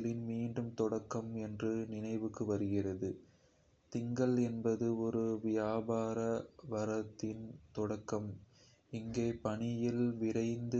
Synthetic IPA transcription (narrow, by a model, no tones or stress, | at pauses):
lɪnmiːɳɖɯmt̪ɔɽɐkːɐmɛndrɯnɪnɐɪʋɯkːɯʋɐɾɯɣɪrɐðɯ | t̪ɪŋɡɐɭɛnbɐðɯɔɾɯʋɪjaːbaːɾɐʋɐɾɐt̪ːɪnt̪ɔɽɐkːɐm | ɪŋɡeːpɐɳɪjɪlʋɪɾɐɪnd̪ɯ